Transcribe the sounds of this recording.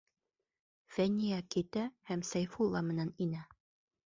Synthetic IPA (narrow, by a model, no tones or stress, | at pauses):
fænʲːijækit̪æhæmsæjfulˠːɑmɘ̆næninæ